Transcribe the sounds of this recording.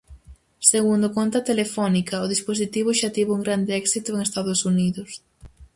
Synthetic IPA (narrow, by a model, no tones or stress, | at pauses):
seɣund̪ʊkont̪ɐt̪elefɔnikɐoðispos̬it̪iβ̞ʊʃat̪iβuŋɡɾand̪ɪɛksit̪ʊeŋest̪aðʊsuniðʊs